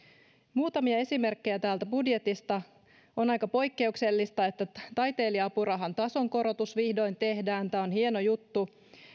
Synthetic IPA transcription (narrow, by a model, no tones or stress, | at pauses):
muːt̪ɑmiɑe̞sime̞rkːe̞jæt̪æːlt̪æbudje̞t̪ist̪ɑ | onɑjkɑpo̞jkːe̞ukse̞lːist̪ɑe̞t̪ːæt̪ɑjt̪e̞ːliɑpuɾɑɦɑnt̪ɑso̞ŋko̞ɾo̞t̪usʋihdo̞jnt̪e̞hdæːnt̪æːonhie̞no̞jut̪ːu